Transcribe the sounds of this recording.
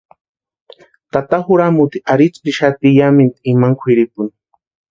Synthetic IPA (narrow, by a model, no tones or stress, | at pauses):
t̪at̪axʊɾamut̪iaɾit͡spiʃat̪ijamɪnt̪imaŋkʰʷwiɾip̚ʊn